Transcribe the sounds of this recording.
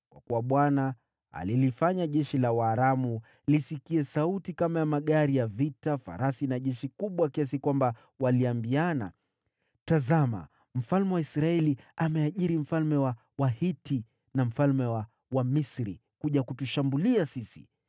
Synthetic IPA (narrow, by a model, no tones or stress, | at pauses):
kwa̰kuwaɓwana̰ː | lilifaɲaʄɛʃilawaːɾamu | lisikiɛsautikamajamaɠaɾijavitafa̰ɾasinaʄɛʃikuɓwakias̬ikwamba | waliambiana̰ | tazama̰ | m̩falmɛwaisɾaɛliamɛaʄiɾim̩falmɛwa | wahiti | nam̩falmɛwa | wamisɾi | kuʄakutuʃambuliasisi̥̰